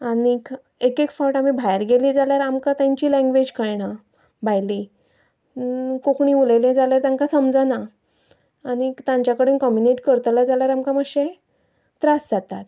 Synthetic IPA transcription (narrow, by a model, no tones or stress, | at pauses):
anik | ekekfɔʈamibʱajɾɡeliːd͡zaljaɾamkat̪jãɲt͡ɕiːlɛ̃ŋɡʋed͡ʑkəɭɳ̃a | bʱajli | kokɳiːulelɛ̃d͡zaljaɾt̪jãŋkasəmd͡zəna | añit̪ãɲt͡ɕjakəɽenkɔmjuneʈkəɾt̪lad͡zaljaɾamkaməɡɕe | t̪ɾasd͡zat̪at̪